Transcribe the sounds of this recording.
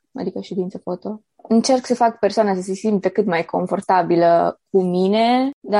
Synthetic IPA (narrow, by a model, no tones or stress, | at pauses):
a̰d̪ikəʃed̪int̪səfot̪o | ɨnt͡ʃe̞rksəfakpersoanas̬əse̞simt̪əkɨt̪majkʰo̞̰ɱfo̞rt̪abilək̚umine̞d̪a